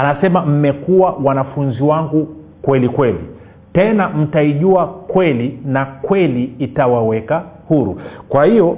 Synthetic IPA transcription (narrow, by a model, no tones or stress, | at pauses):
anasɛmam̩mɛkuwawanafunziwaŋɡu | kwɛlikwɛlḭ | tɛnam̩taiʄuakwɛlinakwɛliitawawɛkahuɾṵkwahijɔ